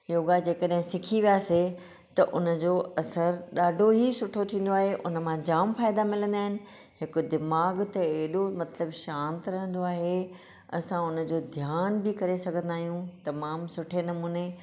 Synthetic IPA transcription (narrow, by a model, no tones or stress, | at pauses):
joːɡad͡ʑeːkəɗɦɪ̃sɪkʰiʋijaːse | t̪ɐʔʊnə̆d͡ʑoːɐsəɾɗaːɖʱoɦisʊʈʰot̪ʰĩːn̆d̪oaːɦeʔʊ̰nəmãd͡ʑaːmfaːɪd̪amɪlə̃nd̪aːɪnɪ̆ | ɦɪkd̪ɪmaːɡt̪ɐːɦɪɗomɐt̪ləbʃãːnt̪ɾɐɦə̃n̆d̪oaːɦe | ɐ̰sãʊnə̆d͡ʑoːd̪ʱjaːnbɪkɐɾesɐɡʱə̃nd̪aːɦijũt̪ɐmaːmsʊʈʰenɐmuːne